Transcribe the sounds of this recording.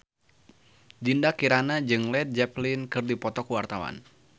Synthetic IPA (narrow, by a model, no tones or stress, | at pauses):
dindakiɾanad͡ʒɨŋlɛt̪̚d͡ʒɛplinkɨrdipɔt̪ɔkuwart̪awa̰n